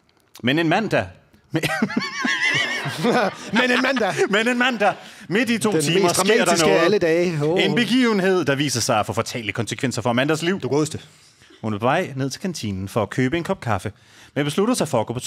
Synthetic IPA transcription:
mene̝nmæn̰d̥æ | m | menenmænd̥æmene̝nmæn̰d̥æme̝d̥it͡sʰo̝dt͡sʰiːmɐɡ̥e̝ɐ̰d̥ɑnɔæləd̥ɛːenb̥e̝ɡ̥ḭːʊən̩he̝ð̞̰ˠd̥ɑ̈ʋḭːsɐsɑ̈ɪæfɔ̽ːfɒt͡sʰɛ̰ːləkʰɒ̽nsə̥kʰʋen̰sɐfɒ̽mæn̰d̥æsliʊ̰d̥uɡ̥ɔːsd̥e | hunæpʰɒʋɑ̈ɪ̰ne̝ð̞̰ˠt͡sʰe̝lkʰænt͡sʰḭnn̩fɒækʰøːb̥əe̝nkʰɒ̽b̥̚kʰɑ̈fə | meb̥e̝sluɾ̥ɐsɑ̈ɪfɒ̽ɐɡ̥o̰ːpʰɒ

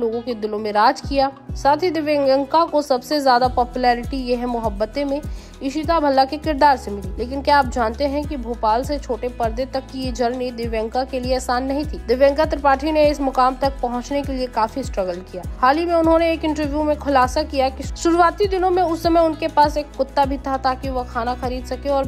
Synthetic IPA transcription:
loːɡõked̪ɪlõmẽɾaːd͡ʒkijaːsaːt̪ʰid̪ɪʋjẽŋə̃ŋkakosɐbsezjaːd̪apɔːpjulɛːɾɪʈijeɦɛ̃mʊɦəbːət̪ẽmẽ | ɪʃit̪abʱɐlːakekɪɾd̪aːɾsemɪlileːkɪnkjaːp̚d͡ʒaːnt̪eɦɛ̃kibʱoːpaːlset͡ʃʰoːʈepɐɾd̪et̪ɐkːijed͡ʒʱɐɾned̪ɪʋjɛ̃ŋkakelieɛːsaːnːɐɦĩt̪ʰiːd̪ɪʋjɛ̃ːŋkat̪ɾəpaːʈʰineɪsmʊkaːmt̪ɐk̚pɐɦʊ̃t͡ʃnekeliekaːfisʈɾɐɡəlkijaːhaːlimẽʊnɦõneeːkɪ̃ɳʈəɾʋjumẽxʰʊlaːsakijakiʃʊɾuwaːt̪id̪ɪnõmẽʊsːɐməjʊnkepaːseːkːʊt̪ːabʱit̪ʰat̪aːkiʋɐɦkʰaːnaxɐɾiːd̪sɐkeɔːɾ

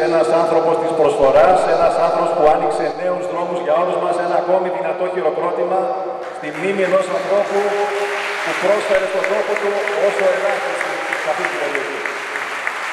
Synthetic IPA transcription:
enɐsɐnθɾo̞po̞st̪ispɾo̞sfo̞ɾɐse̞nɐsɐnθɾopo̞spuɐnikse̞ne̞uzðɾo̞muzʝɐo̞ɾuzmɐse̞nɐːko̞miðinɐt̪o̞çiɾo̞pɾo̞t̪imɐ | st̪imnimie̞no̞sɐnθɾo̞pu | pupɾo̞sfe̞ɾe̞st̪od̪ɾo̞po̞t̪uo̞so̞enɐti | sɐfit̪iloloʝi

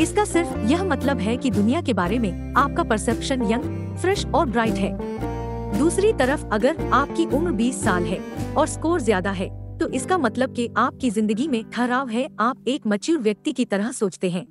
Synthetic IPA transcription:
ɪskasɪɾfjɐɦmɐt̪ləbɦɛkid̪ʊnijakebaːɾemẽ | aːp̚kapɐɾsɛːpʃənjɐ̃ŋɡ | fɾɛʃɔːɾbɾaːɪʈɦɛː | d̪uːsɾit̪ɐɾəfɐɡəɾaːp̚kiʔʊnbiːsːaːlɦɛːɔːɾskoːɾzjaːd̪aɦɛːt̪oʔɪskamɐt̪ləb̚keʔaːp̚kizɪ̃nd̪əɡimẽkʰɐɦɾaːʋɦɛaːp̚eːkmɐt͡ʃuːɾʋjɐk̚t̪ikit̪ɐɾəɦsoːt͡ʃt̪eɦɛ̃ː

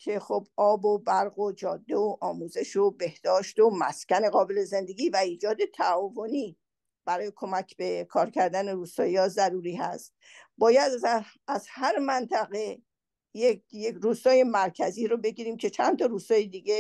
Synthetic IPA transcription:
cʰe̞χobɒːbobæɾɣo̞d͡ʒɒːd̪ːe̞oʔɒːmuːze̞ʃobe̞hd̪̥ɒːʃt̪omæscʲæne̞ɣɒːbe̞le̞ze̞nd̪e̞ɡiːvæiːd͡ʒɒːd̪e̞t̪ʰæɒːvo̞niː | b̥æɾɒːje̞kʰo̞mæcʰbe̞kʰɒːɾcʰæɾd̪æne̞ɾuːst̪ɒːjiɒːzæɾuːɾiːɦæ̰st̪̚bɒːjæd̪æzhæɾmænt̪ʰæɣe̞ | jekjeɾuːst̪ɒːje̞mæɾcʰæziːɾobe̞ɡiːɾiːmcʰe̞t͡ʃʰænt̪ʰɒɾuːst̪ɒːjed̪iːɡe

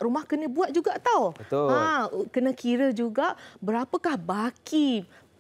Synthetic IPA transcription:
rumahkənə̃buat̪̚d͡ʒuɡaʔt̪awət̪oãkənə̃kiɾəd͡ʒuɡaʔbəɾapəkahbaki

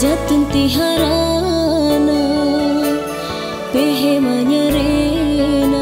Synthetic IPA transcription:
at̪int̪iɦaɾa | na | peɦɛmaɲaɾe | na

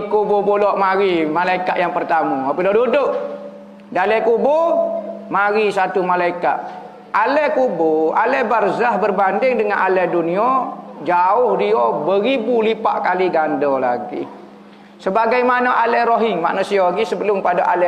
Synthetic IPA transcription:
kubobolɔʔmaɾimalaikaʔ̪jaŋpərt̪amɔapəlɔdudʊʔ | dalɛkubo | maɾisat̪umalaika̰ʔ | alɛkuboalɛbarzahbərbandɪŋdəŋanʔalɛduniɔd͡ʒaʊhdiɔbəɾibulipa̰ʔkaliɡandɔla̰ɡḭ | səbaɡajmanaʔalɛɾoɦɪŋma̰ʔnusiɔŋisəbəlʊmpadaʔalɛ

